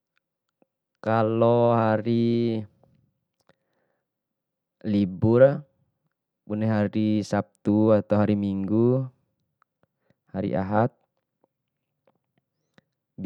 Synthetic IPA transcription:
kalohaɾi | libur | punɛɦaɾisap̚t̪uat̪awɦaɾimiŋɡu | haɾḭʔa̰ɦat̪̚

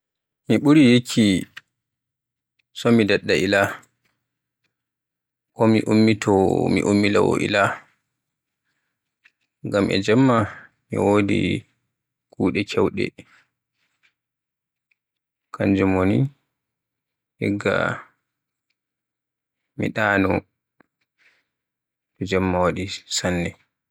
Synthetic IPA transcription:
miɓuɾijekʰːi | sɔmidaɗːaʔila | kɔmiʔumːitʰɔmḭʔumːila̰wɔ̰ʔḭla | ŋɡamʔɛ̰d͡ʒɛmːa | mḭwodḭ | kuːɗɛt͡ʃɛwɗɛ̰ | kʰaɲd͡ʒɛmoni | hɛɡːa̰ | mḭɗanɔ | tɛd͡ʒamːawaɗisanːɛ

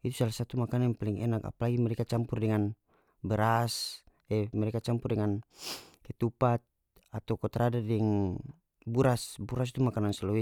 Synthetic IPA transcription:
it̪u̥salahsat̪umakananpaliŋɛ̰naka̰palaɡimɛɾɛkat͡ʃampurdɛŋan | bɛɾas | ɛmɛɾɛkat͡ʃampurdɛŋankɛt̪upat̪̚ | at̪awkɔt̪ɾadadɛŋ | buɾasbuɾasit̪umakanansɛlɔi

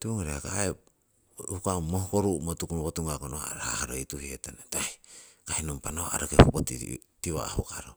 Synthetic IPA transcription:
tuŋeɾeakae | hukamohkoɾumotukunopotuŋakonoaɾahahaɾoituhietonatahikahinompanoa̰ɾakepopotḭtiβa̰hokaɾo

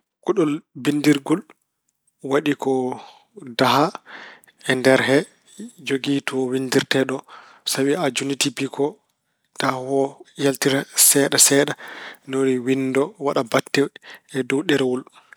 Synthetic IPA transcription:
kɔɗɔlbindiɾɡul | waɗikɔ | daɦa | ɛndɛɾɦɛ | d͡ʒoɡitɔɔwindiɾtɛɗɔ | sawiad͡ʒunitipikɔ | tahɔjaltiɾasɛɗasɛːɗanoɾiwinːdɔwaɗabatːɛɛdowɗɛɾɛwul

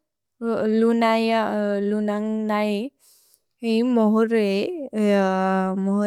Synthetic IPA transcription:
lunajalunaŋnaj | ejmɔɦɔɾe | mɔɦ

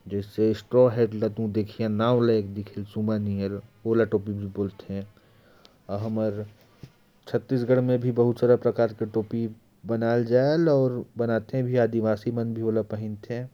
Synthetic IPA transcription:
d͡ʒɛːseɪsʈɾɔɦeːɖlət̪ũd̪eːkʰijãnaːwlɛːkd̪ɪkʰelsuːmanieloːlaʈoːpibʱiboːlt̪eɦɛ̃ | əɦəməɾ | t͡ʃʰət̪ːisɡəɽ̤mẽbʱibɐɦʊt̪saːɾapɾɐkaːɾkeʈoːpi | bənaːld͡ʒaːelɔːɾbɐnaːt̪eɦɛ̃bʱiaːd̪iʋaːsimə̃nbʱioːlapɐɦɪ̃nt̪ɦɛ̃

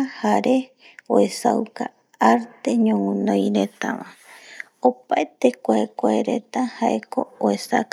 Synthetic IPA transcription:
haɾe | o̰esa̰wka | aɾt̪eɲõŋũnõjɾet̪a̰mã | opaet̪ekʷaekʷaeɾḛt̪ahaʔeko̞oesa̰k

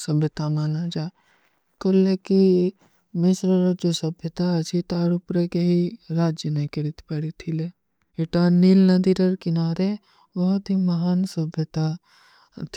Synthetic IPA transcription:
səbʱjət̪amaːnad͡ʒaː | kolːeki | mɪsɾəɾd͡ʒosɐbʱjət̪at͡ʃʰit̪aːɾʊpɾekeɦiɾaːd͡ʒjənekɪɾɪt̪pɐɽit̪ʰile | ɪʈaːniːlnɐd̪iɾəɾkɪnaːɾe | bɐɦʊt̪ɦimɐɦaːnsəbʱjət̪a | t̪ʰ

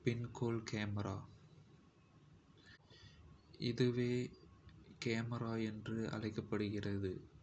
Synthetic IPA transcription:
pɪnkoːlkeːmɐɾaː | ʔɪðɯʋeː | keːmɐɾaːɛndrɯʔɐ̰ɭɐɪkːɐpːɐɽɯɣɪrɐðɯ

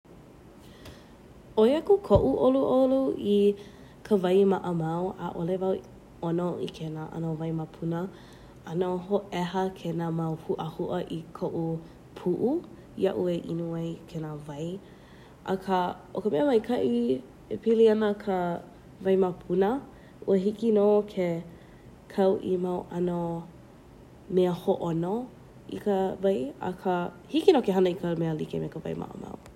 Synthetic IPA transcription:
ojakukʰoʔuʔoluʔolui | kʰəvɐjmaʔəmɐwa̰ʔolevaw | onoʔḭkʰenaʔɐ̰novɐjmapʰunə | ɐnoɦoʔɛɦəkʰenamɐwhuʔəhuʔəʔikʰoʔu | pʰuʔu | iə̰ʔueʔḭnuajkʰenavɐj | ʔɐ̰kʰəokəmɛʔəvɐjkʰɐʔi | epiliɐnəkʰə | vɐjmapʰunə | ʔuəɦikinokʰe | kʰɐwʔḭmɐwʔɐno | meəhoʔono | ḭkəvɐjɐ̰kʰə | hikinokeɦɐnəikəmeəlikemekəvɐ̰jma̰ʔə̰mɐ̰w

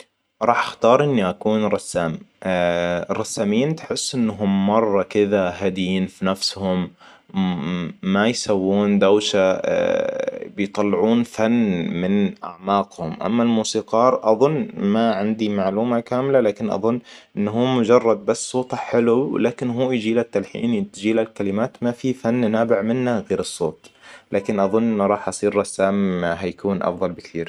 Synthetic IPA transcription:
ɾˤɑːħʔaxt̪ɑːɾˤʔɪnːiʔakuːnɾˤɑsːaːm | rˤːɑsːaːmiːnt̪ħɪsːʔɪnːɦʊmːɑrˤːɑkɪðaɦad̪jiːnfinafshʊm | ajsawːuːnd̪awʃa | bɪjt̪ˤɑlːʕuːnfanːmɪnʔa̰ʕmaːqhʊmʔa̰mːalmuːsiːqɑːɾˤʔɑðˤʊnːmaʕɪnd̪imaʕluːmakaːmɪlalaːkɪnʔɑ̰ðˤʊnːʔɪnːɦuːmʊd͡ʒɑrˤːɑd̪̚basːoːt̪ħɪlulaːkɪnɦuːjd͡ʒiːlat̪ːalħḭːnɪt̪d͡ʒiːlalkalɪmaːt̪mafifanːnaːbɪʕmɪnːaɣeːɾɨsˤːoːt̪̚ˤlʔaːkɪnʔɑðˤʊnːʔɪnːɾˤɑːħʔɑsˤiːɾːˤɑsːaːmaɦajkuːnʔɑ̰fðˤɑlbɪkθiːɾ

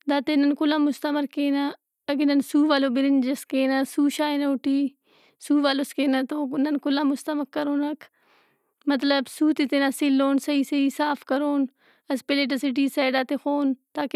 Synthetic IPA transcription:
d̪aːt̪enɐnkʊlaːmʊst̪ɐmɐɾkeːna | ɐkinɐnsuːʋaːloːbɪɾɪnd͡ʒɐskeːnasuːʃaːinɐʊʈiː | suːʋaːloskeːnat̪oːnɐnkʊlaːmʊst̪ɐmɐkːɐɾoːnɐkʰ | mɐt̪ləbsuːt̪it̪enaːsilːoːnsɐiːsɐiːsaːfʰkɐɾoːn | ɐspeleːʈ̬ɐsiʈ̬iːsajɖaːt̪exoːnt̪aːk

